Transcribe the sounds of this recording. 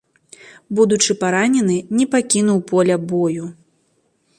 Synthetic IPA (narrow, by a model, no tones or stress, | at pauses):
bud̪ut͡ʂɨpaɾanʲɛn̪ɨnʲɛpakʲinuwpɔlʲɐbɔju